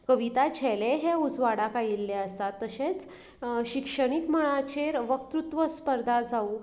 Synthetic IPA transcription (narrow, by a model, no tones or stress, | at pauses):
kəʋit̪at͡ɕʰɛleɦeud͡zʋaɽakajilːɛəsat̪ːəɕet͡s | ɕikʂəɽ̃ikməɭ̃at͡ɕeɾʋəkt̪ɾut̪ʋəspəɾd̪ʱad͡zau